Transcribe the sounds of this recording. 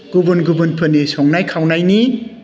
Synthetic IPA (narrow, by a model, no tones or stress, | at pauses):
ɡ̥ubunɡubunpʰɯnisɔŋnajkʰawnajni